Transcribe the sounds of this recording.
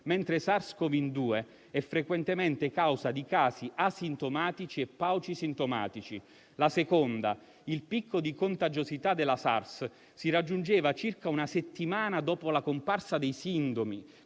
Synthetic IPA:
mɛnt̪ɾesarskovind̪uːe | ɛfːɾekwent̪emɛnt̪ekawzad̪ikaːsiʔasint̪omaːt̪it͡ʃiepːawt͡ʃisint̪oma̰ːt̪it͡ʃi | lasekond̪a | ilpikʰːod̪ikont̪ad͡ʒozit̪ad̪elasa̰rs | sirad͡ʒːund͡ʒeːvat͡ʃirkaunaset̪ːimaːnad̪ɔːpolakomparsad̪ejsind̪omi

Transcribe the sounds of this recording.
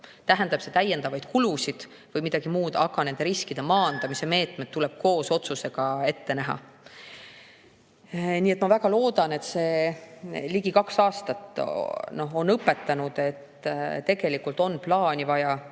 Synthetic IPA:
t̪æɦænd̪̥ɑb̥se̞t̪æjːe̞nd̪ɑvɑjd̪̥̚kulusid̪̥ | vɤjmid̪̥ɑɡ̥imuːd̪ɑɡ̥ɑne̞nd̪e̞ɾiskid̪̥e̞mɑːnd̪̥ɑmise̞me̞ːt̪ˑme̞d̪̥ːule̞b̥̚ko̞ːso̞t̪suse̞ɡ̥ɑe̞t̪ːe̞næɦɑ̰ | niːet̪mɑvæɡɑlo̞ːd̪̥ɑne̞t̪se̞ː | liɡ̥ikɑksɑːst̪ɑt̪no̞ɦo̞nɤpːˑe̞t̪ːɑnud̪̥e̞t̪t̪e̞ɡ̥e̞likːult̪o̞nːplɑːnʲivɑjɑ

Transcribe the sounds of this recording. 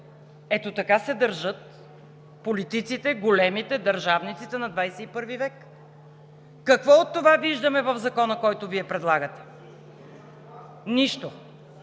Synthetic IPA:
ɛt̪ot̪ɐkasɛd̪ɐɾʒɤt̪̚ | polit̪it̪sit̪ɛɡolɛmit̪ɛd̪ɐɾʒavnit̪sit̪ɛnɐd̪vajsɛipɤɾvivɛk | ɐkvɔot̪ːovaviʒd̪əmɛvɐvzɐkɔnəkɔjt̪ʊviɛpɾɛd̪lˠaɡət̪ɛ̥ | niʃt̪o

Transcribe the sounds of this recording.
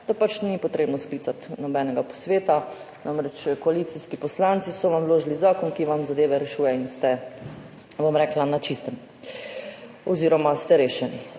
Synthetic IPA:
d̪̥apat͡ʃnipɔt̪ɾeːbnɔskliːt̪sat̪nɔbɛːnɛɡapɔ̥sʋeːt̪a | namɾɛt͡ʃkɔaliːt̪siskipɔslant̪sisɔʋamʋloːʒlizaːkɔnkiʋamzad̪eːʋɛɾɛʃuːjɛinst̪ɛ | ʋomɾɛklanat͡ʃist̪ɛm | ɔziːɾɔmast̪ɛɾeːʃɛni

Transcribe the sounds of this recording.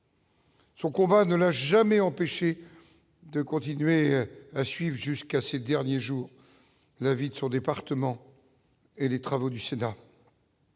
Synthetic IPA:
sɔ̃kɔ̃banəlaʒamɛɑ̃peʃe | d̪əkɔ̃t̪inɥeasɥivʁʒyskased̪ɛʁnjeʒuːʁ | lavid̪əsɔ̃d̪epaʁt̪əmɑ̃ | elet̪χavod̪ysena

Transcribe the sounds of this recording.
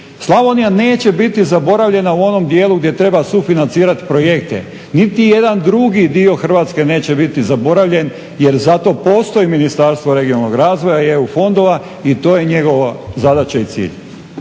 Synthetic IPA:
slˠaʋonijane̞ːt͡ɕebit̪izabo̞ɾaʋʎe̞nauo̞no̞md̪jeːlˠuɡd̪je̞t̪ɾe̞basufinant̪iːɾat̪i̥pɾo̞je̞k̚t̪ḛ | nit̪ije̞d̪and̪ɾuɡid̪io̞xr̩ʋaːt̪ske̞ne̞ːt͡ɕe̞bit̪izabo̞ɾaʋʎe̞n | je̞ɾzat̪o̞po̞ːst̪o̞iminist̪aɾst̪ʋo̞ɾe̞ɡionalnoɡɾaːzʋo̞jajeufo̞nd̪o̞ʋa | it̪o̞ːje̞ɲe̞ɡo̞ʋazad̪at͡ɕeit̪sḭːʎ

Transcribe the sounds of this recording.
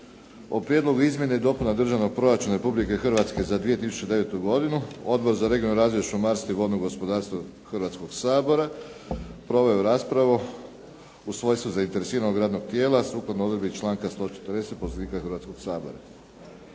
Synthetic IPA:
opɾije̞d̪lˠo̞ɡuizmje̞neid̪o̞punad̪r̩ʒaʋno̞ɡ̚pɾo̞ɾat͡ʃunaɾe̞publike̞xrʋat̪ske̞zad̪ʋije̞t̪isu̥t͡ʃe̞d̪e̞ʋet̪uɡo̞d̪inuo̞d̪bo̞ɾzaɾe̞ɡio̞nuɾaːzʋje̞ʃumaɾst̪iʋo̞lnoɡo̞spo̞d̪aːɾst̪ʋo | xrʋat̪sko̞ɡsaːbo̞ɾa | pɾo̞ʋojuɾaːspɾaʋu | usʋo̞jsuzaint̪e̞ɾe̞siːɾanoɡɾaːd̪no̞ɡ̚t̪je̞ːlˠasuːklˠad̪nood̪ɾebit͡ʃlˠaːŋkast̪o̞t͡ʃe̥t̪ɾd̪eset̪̚poseniːkaxɨrɾʋaːt̪sko̞ɡsaːbo̞̰ɾa̰

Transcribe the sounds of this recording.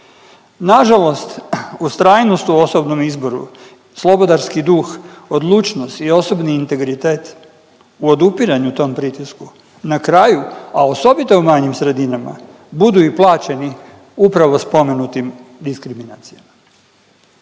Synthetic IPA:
naʒalo̞st̪ust̪ɾaːjnost̪uo̞sobno̞mizbo̞ɾṵ | slˠo̞bo̞d̪aɾskid̪uːxo̞d̪lˠuːt͡ʃnost̪io̞so̞bniːnt̪e̞ɡɾit̪e̞ːt̪ | uo̞d̪upiɾaɲut̪o̞ːmpɾit̪isku | nakɾajuao̞so̞bit̪o̞umaɲimsɾe̞d̪inama̰ | bud̪uiplˠaːt͡ɕe̞ni | upɾaʋo̞spo̞me̞nut̪imd̪iskɾiminaːt̪sijama

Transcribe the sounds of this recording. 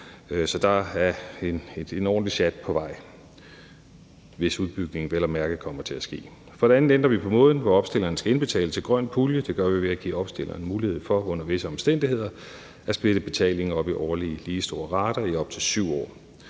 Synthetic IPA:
sɒ̽d̥ɑ̈æɐened̥enɒ̰ːnliɕæd̥̚pʰɒ̽ʋɑ̈ɪ̰ | ʋe̝suðˠb̥yɡ̥ne̝ŋ̩ʋelɐmæɐɡ̥ð̩ˠkʰɒ̽m̰ɐt͡sʰe̝læsɡ̥e̝̰ː | fɒ̽ɾeæn̩end̥ʁɐʋipʰɒ̽mɔ̽ːð̞ˠn̩ʋɒɒ̽b̥sd̥e̝l̰ɐnskæe̝nb̥e̝t͡sʰɛ̰ːlət͡sʰe̝lɡ̥ʁɶn̰̚pʰuljəd̥e̝ɡ̥ɶɐʋiʋe̝æɡ̥ḭːɒ̽b̥sd̥e̝lʔɐːn̩muːlihe̝ð̰ˠfɒ̽ɔ̽n̰ɐʋe̝səɒ̽msd̥en̰d̥ihe̝ð̞̰ˠɐ | æsb̥le̝d̥əb̥e̝t͡sʰɛ̰ːle̝ŋ̩ɒ̽b̥iʔɒːliəliːsd̥o̝ːɐʁɑ̈ːd̥ɐiɒ̽b̥̚t͡sʰe̝lsyʊ̰ɒ̰ː

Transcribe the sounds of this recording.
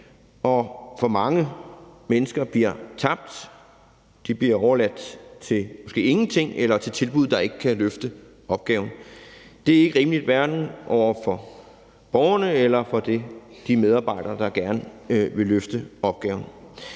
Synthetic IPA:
ɒ̽fɒ̽mɑ̈ŋəmenəsɡ̥ɐb̥liɐt͡sʰɑ̈b̥̚d̥ | d̥ib̥liɐɒʊɐlæd̥t͡sʰe̝lmɒ̽sɡ̥e̝̰ːe̝ŋn̩t͡sʰe̝ŋ̰elɐt͡sʰe̝lt͡sʰe̝lb̥uð̞̰ˠd̥ɑ̈e̝ɡ̥əkʰæløfd̥ə | ɒ̽b̥̚ɡ̥ɛ̰ːʊn̩d̥e̝æɐe̝ɡ̥əʁiːmlid̥ʋæɐd̥n̩ʔɒʊ̰ɐfɒ̽ | b̥ɒʊɐnəelɐfɒ̽d̥e̝d̥imeð̞ˠɑ̈ːb̥ɑ̈ɪ̰d̥ɐːd̥ɑ̈ɡ̥æɐnəʋe̝løfd̥əɒ̽b̥̚ɡ̥ɛ̰ːʊn̩

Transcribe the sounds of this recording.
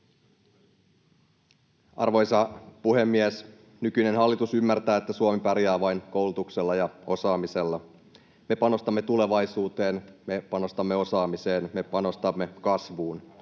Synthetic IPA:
ɑ̰rʋo̞jsɑpuhe̞mːies | nykyne̞nɦɑlːit̪usymːært̪æːet̪ːæsuomipæɾjæːʋɑjnko̞wlut̪ukse̞lːɑjɑo̞sɑːmise̞lːɑ | me̞pɑno̞st̪ɑmːe̞t̪ule̞ʋɑjsuːt̪e̞ːnme̞pɑno̞st̪ɑmːe̞o̞sɑːmise̞ːnme̞pɑno̞st̪ɑmːe̞kɑsʋuːn

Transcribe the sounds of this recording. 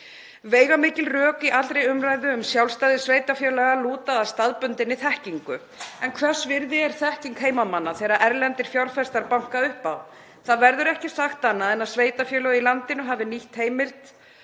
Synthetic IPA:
veːjɣamɪːcɪlrœːkɪʔalt̪ɾejʏmrajðʏʏmsjawlst̪aːðɪsveːjt̪afjœːlɛɣaluːt̪aðast̪aðpʏnt̪ɪnːɪθɛhciŋkʏ | ɛnkʰvɛr̥svɪɾðɪɛɾ̥θɛhciŋkɦeːjmamanːaθɛːɾaʔɛɾlɛnt̪ɪɾ̥fjawɾlfɛst̪aɾpawŋ̥kaʏhpaw | θaðvɛɾðʏɾɛhcɪsaxt̪ːanːaðɛnaðsveːjt̪afjœːlœɣʏilant̪ɪnʏɦavðɪniht̪heːjmɪlt̪

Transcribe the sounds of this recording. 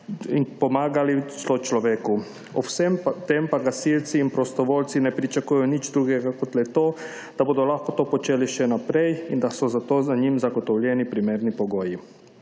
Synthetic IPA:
inpɔmaːɡalit͡ʃlɔt͡ʃlɔʋeːku | ɔwsɛmt̪empaɡasilt̪siːnpɾɔst̪ɔʋoːlt̪sinɛpɾit͡ʃakuːjɛjɔnit͡ʃd̪ɾuɡɛɡakɔt̪lɛt̪oː | d̪̥aboːd̪ɔlaxkɔt̪oːpɔt͡ʃeːliʃɛnapɾɛjind̪asɔzat̪oːzaɲimzaɡɔt̪ɔwlʲjɛnipɾimeːɾnipɔɡoːji

